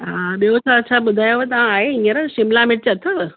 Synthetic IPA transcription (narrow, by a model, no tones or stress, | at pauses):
ɦaɓiot͡ɕʰaɐtːt͡ɕʰaɓʊd̪ʱaːjoʋet̪ɐʋ̤ãaːɦeĩəɾəʃɪmlamɪʈ̚t͡ɕeɐt̪ʰəʋ